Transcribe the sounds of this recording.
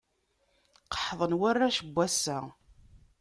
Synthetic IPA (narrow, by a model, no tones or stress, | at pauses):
qə̥ħðˤənwarːaʃəbʷːæsːæ